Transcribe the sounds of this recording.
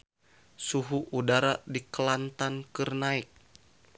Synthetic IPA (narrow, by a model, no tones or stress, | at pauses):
suɦuʔudaɾadikəlant̪ankɨrnaik̚